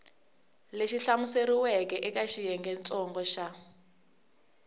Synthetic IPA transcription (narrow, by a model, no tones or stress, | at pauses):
leʃiɬamuseɾiwɛkɛʔɛkaʃijɛŋɡɛnt͡sʼɔŋɡɔʃa